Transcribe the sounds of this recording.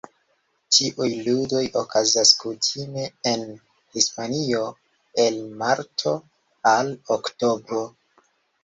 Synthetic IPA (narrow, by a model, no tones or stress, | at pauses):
tiʔujludo̞jokazaskutʰime̞en | hispanio̞ | e̞lmaɾtʰo̞ | alokto̞bɾo